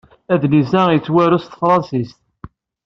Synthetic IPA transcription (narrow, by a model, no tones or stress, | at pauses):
æðnizæjət͡sːwæɾust̪fɾˤɑnsist̪